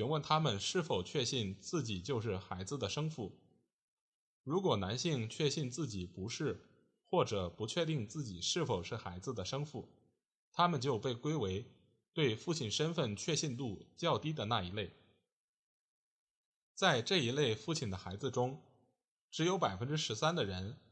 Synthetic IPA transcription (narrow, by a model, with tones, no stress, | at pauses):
y˧˥nwə˥˩nt̪ʰa˥mə˨nʂɻ̩˥˩fo˨˩ʊt͡ɕʰɥɛ˥˧ɕi˥˧nt͡sɹ̩˥˩t͡ɕi˨˩t͡ɕjo˥˧ʊʂ̬ɻ̩˥˩xa˧˥ɪd͡zɹ̩˧d̪ə˩ʂɤ˥ŋfu˥˩ | ɻu˧˥kwɔ˨˩na˧˥nɕi˥˧ŋt͡ɕʰɥɛ˥˧ɕi˥˧nt͡sɹ̩˥˩t͡ɕi˨˩pu˧˥ʂɻ̩˥˩ | xwɔ˥˩ʈ͡ʂɤ˨˩pu˧˥t͡ɕʰɥɛ˥˧t̪i˥˧ŋt͡sɹ̩˥˩t͡ɕi˨˩ʂɻ̩˥˩fo˨˩ʊʂɻ̩˥˩xa˧˥ɪd͡zɹ̩˧d̪ə˩ʂɤ˥ŋfu˥˩ | t̪ʰa˥mə˨nt͡ɕjo˥˧ʊpe˥˩ɪkwe˥ɪwe˧˥ɪ | t̪we˥˧ɪfu˥˩t͡ɕʰi˨˩nʂə˥nfə˥˧nt͡ɕʰɥɛ˥˧ɕi˥˧nt̪u˥˩t͡ɕjɑ˥˩ʊt̪i˥d̪ə˨na˥˩i˧˥le˥˩ɪ | t͡sa˥˧ɪʈ͡ʂɤ˥˩i˧˥le˥˧ɪfu˥˩t͡ɕʰi˨˩nd̪ə˦xa˧˥ɪd͡zɹ̩˧ʈ͡ʂʊ˥ŋ | ʈ͡ʂɻ̩˧˥jo˧˥ʊpa˨˩ɪfə˥nʈ͡ʂɻ̩˥ʂɻ̩˧˥sa˥nd̪ə˨ɻə˧˥n